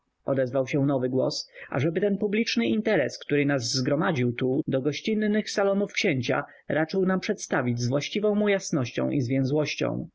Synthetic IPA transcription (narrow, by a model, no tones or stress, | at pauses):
ɔd̪ɛzvawɕɛ̃nɔvɘɡwɔ̰sʔa̰ʐɛbɘt̪ɛnpublʲit͡ʂnɘint̪ɛɾɛskt̪uɾɘnazːɡɾɔmad͡ʑiwt̪ud̪ɔɡɔɕt͡ɕinːɘxsalɔnufkɕeɲt͡ɕa̰ | ɾat͡ʂɘwnampʂɛt̪st̪avʲid͡ʑzvwaɕt͡ɕivɔ̃w̃mujasnɔɕt͡ɕɔ̰̃w̃ʔizvʲjɛ̃zwɔɕt͡ɕɔ̰̃w̃